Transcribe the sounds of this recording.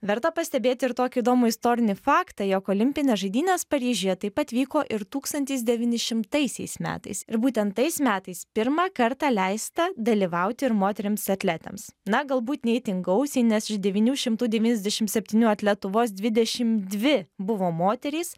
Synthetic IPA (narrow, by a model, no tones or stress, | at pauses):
ʋʲɛɾt̪ɐpɐsʲt̪ʲɛbʲeːt̪ʲɪɪɾt̪oːkʲɪiːd̪oːmʊɪst̪oːɾʲɪnʲɪfɑːkt̪ɐjoːkoːlʲɪmʲpʲɪnʲesʒɐɪd̪ʲiːnʲeːspɐɾʲiːʒʲijɛt̪ɐɪpɐt̪ʋʲiːkoːʔɪɾt̪uːkst̪ɐnʲt̪ʲɛɪs̬d̪ʲɛʋʲiːnʲɪʃʲɪmt̪ɐɪsʲɛ̰ɪsmʲæ̰ːt̪ɐ̰ɪsɪɾbuːt̪ʲɛnt̪ːɐɪsmʲæːt̪ɐɪspʲɪɾmɑːkɐɾt̪ɑːlʲɛɪst̪ɐd̪ɐlʲiʋɐʊt̪ʲɪɪɾmoːt̪ʲɛɾʲɪmsɐt̪ʲlʲæt̪ʲɛ̰msnɐɡɐlˠbuːt̪nʲɛɪt̪ʲɪŋɡɐʊsʲɛɪnʲɛsɪʃd̪ʲɛʋʲiːnʲuːʃʲɪmt̪uːd̪ʲɛʋʲiːnʲɛzd̪ʲɛʃʲɪmsʲɛpʲt̪ʲiːnʲuːɐt̪ʲlʲɛt̪ʊʋoːs̬d̪ʲʋʲɪd̪ʲɛʃʲɪmd̪ʲʋʲɪbʊʋoːmoːt̪ʲɛɾʲɛɪs